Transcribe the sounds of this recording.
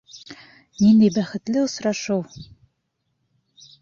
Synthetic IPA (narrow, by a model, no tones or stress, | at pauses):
nind̪æjbæχɘ̆t̪lɘŏsɾɑʃɤw